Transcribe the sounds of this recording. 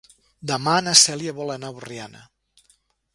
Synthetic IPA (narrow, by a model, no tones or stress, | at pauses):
d̪əmanasɛljaβɔlenaβurjanə̰